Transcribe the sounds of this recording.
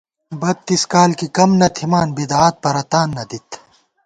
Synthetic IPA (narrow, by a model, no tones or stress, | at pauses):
bɐt̪̚t̪ːiskaːlkikɐmnɐt̪ʰimaːnbid̪aaːt̪̚pɐɾɐt̪aːnːɐd̪it̪